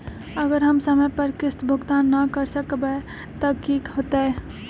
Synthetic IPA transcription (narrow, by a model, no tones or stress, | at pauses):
əɡəɾɦəmsəmepəɾkɪst̪bʱəɡt̪anːəkəɾsəkbɛ | t̪əkikɦot̪ɛ